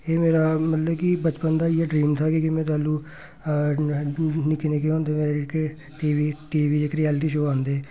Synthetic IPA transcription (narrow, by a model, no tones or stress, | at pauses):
eːmeːɾaːmət̪ləbkɪbət͡ʃpənd̪aːɪeːɖɾiːmt̪ʰaːkikɪmɛ̃ːt̪̬aːluː | nɪkineːkeɦõːnd̪eːmeːɾeɪk | ʈiːʋiːʈiːʋiːɪkɾiːɛːlʈiːʃoːãːnd̪eː